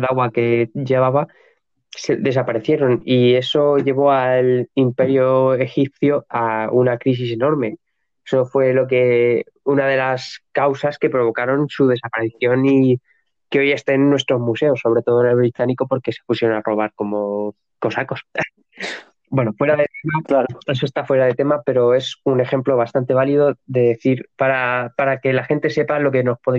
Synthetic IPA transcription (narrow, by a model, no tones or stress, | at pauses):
ðaɣwake̞ʝe̞β̞aβa | seðe̞sapaɾe̞θje̞ɾo̞nie̞so̞ʝe̞β̞o̞alimpe̞ɾjoe̞xip̚θjoaunakɾis̬ise̞no̞ɾme̞ | eso̞fwe̞lo̞k̬e̞ | unaðe̞laskawsaske̞pɾo̞β̞o̞kaɾo̞nsuð̞e̞sapaɾeθjo̞ni | keo̞je̞st̪enːwe̞st̪ɾo̞zmuse̞o̞sːo̞β̞ɾe̞t̪o̞ð̞oene̞lβɾit̪aniko̞po̞ɾke̞se̞̥pusjeonaro̞β̞aɾko̞mo̞ | ko̞sako̞s | bwe̞nofwe̞ɾaðet̪emaes̬oe̞st̪afwe̞ɾaðe̞t̪e̞mape̞ɾo̞e̞sune̞xe̞mplo̞β̞ast̪ant̪e̞β̞aliðo̞ðe̞ðeθiɾpaɾapaɾake̞laxe̞nt̪e̞se̞palo̞ke̞no̞spoð